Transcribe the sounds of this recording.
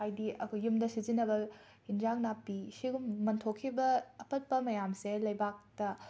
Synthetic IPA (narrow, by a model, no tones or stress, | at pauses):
ajdiɐkʰujumdɐsizinːɐbɐ | ind͡ʒaŋnapːisiɡumːɐntʰokʰːibɐːpɐt̚pɐmɐjamselɐjbak̚tɐ